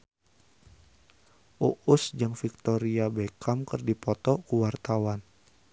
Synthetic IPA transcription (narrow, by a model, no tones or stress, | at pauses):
ʔuʔusd͡ʒaŋfik̚t̪oɾiabekʰamkɨrdipɔt̪ɔkuwart̪awan